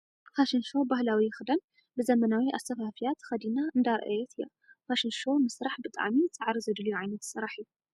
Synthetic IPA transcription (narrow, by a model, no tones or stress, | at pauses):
faʃɪnʃo̞bahlawiɪxɨd̪ɐn | bɨzɐmɐnawiʔa̰st̪ʰɐfafijat̪xɐd̪inaɨnd̪aɾʔɐ̰jɛt̪ʰɨja̰ | faʃɪnʃo̞mɨsɾaħbɨt̪ʼa̰ʕmit͡sʼɨʕɾizɐd̪lujuʕajnɐt̪sɨɾaħɨjːu